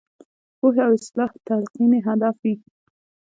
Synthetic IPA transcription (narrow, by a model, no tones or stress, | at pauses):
poɦeawɪslɑht̪alqineɦad̪afi